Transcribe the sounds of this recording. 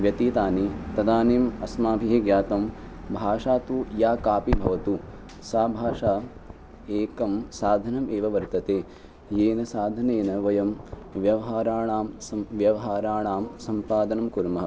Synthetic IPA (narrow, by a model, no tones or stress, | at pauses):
ʋjɐt̪iːt̪aːnit̪ɐd̪aːneːmɐsmaːbʱiɦeɡjaːt̪ɐmbʱaːʂaːt̪ujaːkaːpibʱɐʋɐt̪u | saːbʱaːʂaː | eːkɐmsaːd̪ʱɐnɐmeːʋɐʋɐɾt̪ɐt̪eː | jeːnɐsaːd̪ʱɐneːnɐʋɐjɐmʋjɐʋɐɦaːɾaːɳaːmsɐʋjɐʋɐɦaːɾaːɳaːmsɐmpaːd̪ɐnɐmkuɾmɐɦɐ